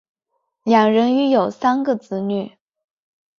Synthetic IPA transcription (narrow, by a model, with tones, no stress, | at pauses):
ljɑ˨˩ŋɻə˧˥ny˧˥jo˨˩ʊsa˥nɡə˨t͡sɹ̩˧˥ny˥˩